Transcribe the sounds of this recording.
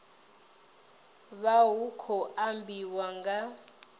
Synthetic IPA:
βawukʰɔʔambʱiwaŋɡa

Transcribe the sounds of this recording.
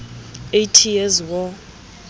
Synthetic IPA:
ejtʰijezwɔ

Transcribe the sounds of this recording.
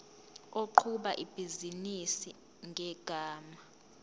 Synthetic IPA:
oǃʰuɓaʔib̥ʱizinisi | ŋɡʱɛɡ̥ʱaːma

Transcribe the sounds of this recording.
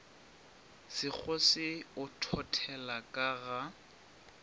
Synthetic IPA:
sɪk͡xʰɔsɪʊtʰɔtʰɛlakʼaɣa

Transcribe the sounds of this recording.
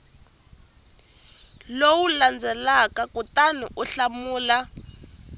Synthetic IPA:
lowuland͡zʱɛlakakutanḭʔuɬamuːla

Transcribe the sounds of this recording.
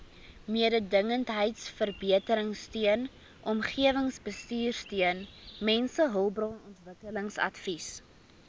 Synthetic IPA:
miədədəŋəntɦəjtsfərbiətəɾəŋstyən | ʔɔmχiəvəŋsbəstyːrstiənmɛnsəɦəlˠbrɔnɔntvəkələŋsɐ̰tfis

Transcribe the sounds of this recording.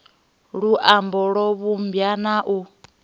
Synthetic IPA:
ɺuʔambɔɺɔβumbjanaʔu

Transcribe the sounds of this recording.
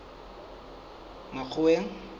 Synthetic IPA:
mak͡xʰʊweŋ̩

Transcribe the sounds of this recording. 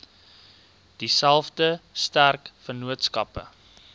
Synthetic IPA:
d̥isælˠfdəstærkfənuətskɐpə̰

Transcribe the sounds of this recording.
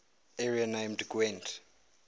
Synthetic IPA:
ɛɹianajmdɡwɛ̃nd

